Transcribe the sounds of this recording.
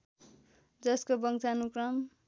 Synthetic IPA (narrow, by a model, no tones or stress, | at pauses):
d͡zʌskobʌŋt͡sanukrʌm